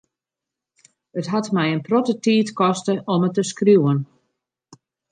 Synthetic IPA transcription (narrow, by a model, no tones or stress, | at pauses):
ətɦatmɛjənprɔtətiːtkɔstəʔɔmətːəskrjuːən